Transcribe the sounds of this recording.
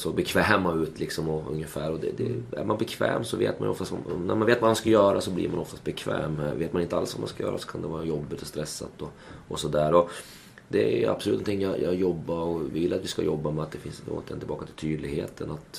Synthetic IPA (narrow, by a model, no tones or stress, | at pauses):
sɔbɛkʰvɛːmaʉ̟ːt̪ʰlɪksɔmɔɵ̰ŋjəfæːɾɔd̪ɛd̪ɛæ̰ɾmanbɛkʰvɛ̰ːmsɔvḛːt̪manjʏɔft̪ast̪a̰næɾmanveːt̪vamanskajœːɾasɔblḭɾmanɔft̪ast̪bɛkʰvɛ̰ːmveːt̪̚manɪnt̪əa̰lsva̰ma̰nskajœːɾʔa̰sɔ̥kʰand̪ɛvɑːɾajɔbːɪt̪ɔst̪ɾɛsːat̪ɔ | ʔɔsɔd̪æːɾɔ | d̪ɛja̰psɔlʉ̟t̪nʰɪŋːjɑjʔɑjɔbːaɔvɪvɪlːat̪vɪska̰jɔbːamɛat̪d̪ɛfɪnso̰ːt̪ʰɛnɪbɑːkat̪ʰɪlt̪ʰyːd̪lɪɡheːt̪ʰənat̪